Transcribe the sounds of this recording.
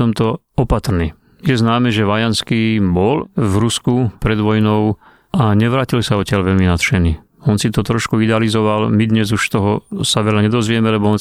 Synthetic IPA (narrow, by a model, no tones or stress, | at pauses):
ɔmt̪ɔ | ɔpat̪ɾniː | jɛznaːmɛʒɛʋajanskiːbɔlvɾuskupɾɛd̪ʋɔjnɔʊ | aɲɛʋɾaːcilsaɔcɪaʎʋɛlminat̪ʃɛniː | ɔnsit̪ɔt̪ɾɔʃkuid̪ɛalizɔʋalmid̪ɲɛzuʃt̪ɔɦɔsaʋɛlaɲɛd̪ɔzʋɪɛmɛlɛbɔɔn